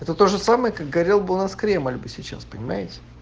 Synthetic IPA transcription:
ɛt̪ət̪oʐɨsaməjəkak̚ɡɐɾʲelˠbɨʊnaskɾʲeməlʲbɨsʲɪt͡ɕa̰spənʲɪmajɪtʲɪ̥

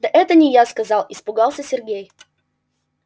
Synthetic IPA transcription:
d̪ɐʔɛt̪ənʲɪjaskɐzɑlˠɪspʊɡɑlˠsʲəsʲɪrɡʲej

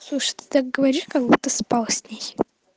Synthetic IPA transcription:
slˠuʂə̥t̪ʲɨ̥t̪ak̚ɡəvɐɾʲikɐɡbut̪ːəspalˠsʲnʲej

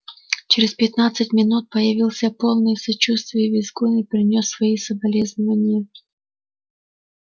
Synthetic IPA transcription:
t͡ɕɪɾʲɪspʲɪt̪nat̪sɨtʲmʲɪnut̪̚pəjɪvʲilˠsʲəpolˠnɨjsɐt͡ɕust̪vʲɪjəvʲɪzɡunɨpɾʲɪnʲosːvɐisəbɐlʲeznəvənʲɪjə

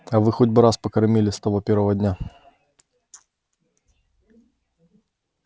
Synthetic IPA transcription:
ɐvɨxɔdʲbɨɾaspɐkɐɾmʲilʲɪst̪ɐvɔpʲɛɾʋɐvɐdʲnʲa

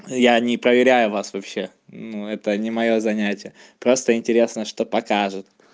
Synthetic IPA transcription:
janʲɪpɾəvʲɪɾʲæjʊvasvɐpɕːe̞ | nuɛt̪ənʲɪmɐjo̞zɐnʲætʲɪjə | pɾo̞st̪əɪnʲtʲɪɾʲe̞snəʂt̪o̞pɐkaʐɨt̪

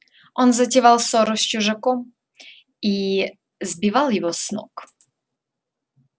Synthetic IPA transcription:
ɔnzatʲɛvalsɔɾɔɕt͡ɕuʐakɔm | i | zbʲivaljɛvɔsnɔ̰k

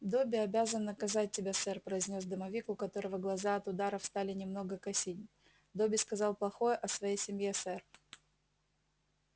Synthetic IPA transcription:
d̪o̞bʲɪɐbʲazənːəkɐzat̚ʲtʲːɪbʲasɛrpɾəɪzʲnʲo̞s̬d̪əmɐvʲikʊkɐt̪o̞ɾəvəɡlˠɐzaɐt̪ʊd̪aɾəfst̪alʲɪnʲɪmno̞ɡəkɐsʲit̚ʲ | d̪obʲɪskɐzɑlˠplˠɐxo̞jəʔɐsvɐjejsʲɪmʲjesɛr

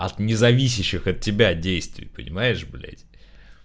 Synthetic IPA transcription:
ɐt̪nʲɪzɐvʲis̬ʲɪɕːɪxɐt̚ʲːɪbʲadʲejst̪vʲɪ̰pə̰nʲɪ̰majɪʂblʲḛtʲ

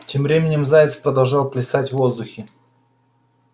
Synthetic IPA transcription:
tʲemvɾʲemʲɪnʲɪmzajɪt̪spɾəd̪ɐlˠʐɑlˠplʲɪsatʲvozd̪ʊxʲɪ

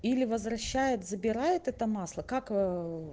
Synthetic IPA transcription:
ilʲɪvəzvɾɐɕːæjɪt̪zəbʲɪɾajɪt̪ɛt̪əmɑslˠəkak

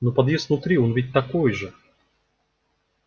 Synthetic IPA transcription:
nopɐd̪jesvnʊt̪ɾʲionvʲit̚ʲt̪ɐkojʐɨ

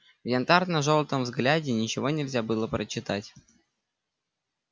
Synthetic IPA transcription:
vjɐnt̪art̪nəʐolˠt̪əmvzɡlʲædʲɪnʲɪt͡ɕɪvo̞nʲɪlʲzʲabɨlˠəpɾət͡ɕːɪt̪atʲ

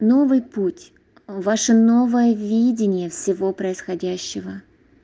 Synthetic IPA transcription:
no̞vɨjputʲ | vaʂənovəjəvʲidʲɪnʲɪjəfsʲɪvo̞pɾəɪsxɐdʲæɕːɪvə

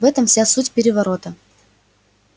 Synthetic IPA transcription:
vɛt̪əmfsʲasutʲpʲɪɾʲɪvɐɾo̞t̪ə

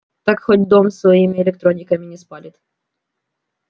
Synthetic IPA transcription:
t̪akxotʲd̪omsvɐimʲɪɛlʲɪk̚t̪ɾonʲɪkɐmʲɪnʲɪspalʲɪt̪

